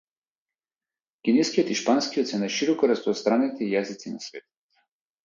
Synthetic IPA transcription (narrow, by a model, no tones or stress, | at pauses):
kʲinɛskijɔt̪iʃpanskiɔt̪sɛnaʃiɾɔkɔɾaspɔst̪ɾanit̪ʰɛijazit̪sina̰svɛt̪